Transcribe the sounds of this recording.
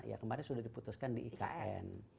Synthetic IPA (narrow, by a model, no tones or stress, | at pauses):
ja̰kəmaɾɪnsudahdiput̪ʊskandiʔːka̰ʔɛ̰n